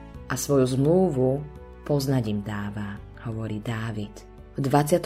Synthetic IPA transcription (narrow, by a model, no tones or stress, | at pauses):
ʔasʋɔjuzmluːʋu | pɔznaɟimd̪aːʋa | hɔʋɔɾiːd̪aːʋit̪ | vd̪ʋat͡sɪat̪